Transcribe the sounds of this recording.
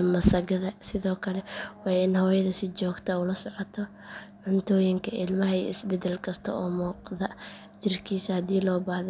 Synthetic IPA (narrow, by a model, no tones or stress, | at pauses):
mɐsɐɣɐðɐsɪðɔːkʰɐlɛwɑːɪnhɔːjɐðɐsɪt͡ʃɔːɡt̪ʰɐulɐsɔʕɔt̪ʰɔ | ʕʊnt̪ʰɔːjɪŋkʰɐʔɪlmɐɦɐḭɪsbɛd̪ɛlkʰɐst̪ʰɐ̰ɔːmɔːqðɐ | d͡ʒɪrkʰiːsɐhɐd̪iːlɔːbɐhð